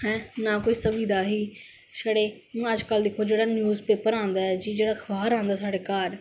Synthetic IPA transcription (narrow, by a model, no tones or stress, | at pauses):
ɦɛ̃ːnaːkoːiːsəbiːd̪aːɦiː | saːɽẽːəd͡ʒkəld̪ɪkʰoːd͡ʒeːɽaːnjuːzpeːpəɾãːnd̪aːɛːd͡ʒiːd͡ʒeːɽaːkʰəbaːɾãːnd̪aːsaːɽeːkaːɾ